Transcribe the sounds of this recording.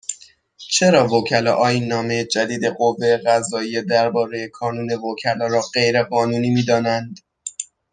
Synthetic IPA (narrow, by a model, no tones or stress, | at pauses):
t͡ʃʰe̞ɾɒːvocʰælɒ̰ːʔɒːiːnːɒːme̞jed͡ʒæd̪iːd̪e̞ɢovːe̞jeɣæzɒːije̞d̪æɾbɒːɾe̞jekʰɒːnuːne̞vocʰælɒːɾɒːɢe̞jɾe̞ɢɒːnuːniːmiːd̪ɒːnænd̪̥